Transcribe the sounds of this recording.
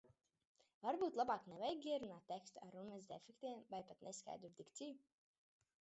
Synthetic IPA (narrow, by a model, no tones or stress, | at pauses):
vaɾbuːt̪lˠabaːknɛvajɡiɛɾunaːt̪̚ʲːekst̪a̰ɾunmɛzd̪efʲɛkt̪ʲiɛmvajpat̪neska̰jd̪uɾd̪ikt̪siju